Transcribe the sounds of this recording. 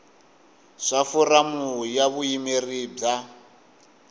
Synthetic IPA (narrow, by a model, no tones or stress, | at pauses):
ʂafuramujaβujimerib͡ʐa